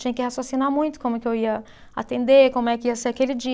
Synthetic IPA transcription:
t͡ʃĩɲɐkɪhasosinamũj̃t̪ʊ̥kõmʊkɪewiɐ | a̰t̪ẽnd̪ekõmʊɛkɪiɐseɾakelɪd͡ʒi

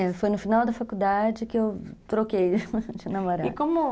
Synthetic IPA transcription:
ɛfojnʊfinawd̪ɐfakud̪ad͡ʒɪkɪewt̪ɾokejd͡ʒɪnɐmoɾaɪdkõmʊ

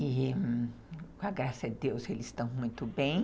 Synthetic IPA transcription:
i | kõɐɡɾasɐdɪd̪ewselɪzst̪ɐ̃w̃mũj̃t̪ʊbẽj̃

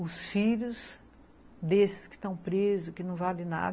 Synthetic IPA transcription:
ʊsfiʎʲʊs | d̪esɪ̥skɪ̥st̪ɐ̃w̃pɾezʊkɪnɐ̃w̃valɪna̰d

